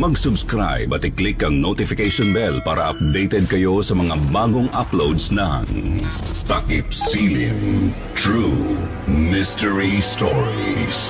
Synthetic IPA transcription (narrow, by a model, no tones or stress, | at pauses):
mɐɡsʊbskɾa̰jbɐt̪ɪklɪkːɐŋnot̪ɪfɪkejʃɔnbɛlpaːɾɐʔɐp̚d̪ejt̪ɛd̪̚kɐjosɐmɐŋabaːɡoŋʔa̰plowd̪snɐ̰ŋ | t̪ɐkipsilɪŋ | t̪ɹu | mɪst̪ɛɹist̪ɔɹis